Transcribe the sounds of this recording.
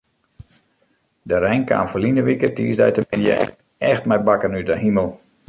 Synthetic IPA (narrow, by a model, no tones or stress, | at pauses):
dəɾɛjŋka̰ːnfəlinəʋikətiːsdɛ̰jtəmɪnjə̰ | ɛxtmɛjbakənydəɦiməlˠ